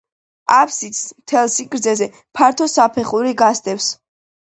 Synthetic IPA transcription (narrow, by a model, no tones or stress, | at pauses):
apʰsit̪smt̪ʰɛlˠsikʼɾd̪zɛzɛ | pʰaɾt̪ʰɔsapʰɛχuɾiɡast̪ʼɛfs